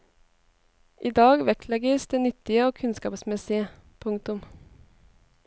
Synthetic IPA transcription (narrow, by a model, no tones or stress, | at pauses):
ʔiːd̪ɑːɡʋɛklɛɡəsd̪̥eːnʏt̪ɪəoːkʰʉnskɑ̰ːpsmɛsɪə | pʰʊŋt̪ʊm